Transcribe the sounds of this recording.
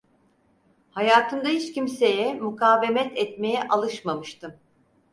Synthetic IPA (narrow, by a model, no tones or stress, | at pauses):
hajaːt̪ʰɯmd̪ahit͡ʃcimse̞jɛmukʰaːve̞mɛt̪ʰɛt̪me̞jɛʔalˠɯʃmamɯʃt̪ɯm